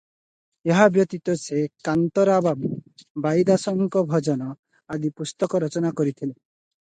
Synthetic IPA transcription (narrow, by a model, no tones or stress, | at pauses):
eɦabjɔt̪it̪ɔsekant̪ɔɾababbajd̪asɔŋkɔbʱɔd͡ʒɔnɔ | ad̪ipust̪ɔkɔɾɔt͡ʃɔnakɔɾit̪ʰile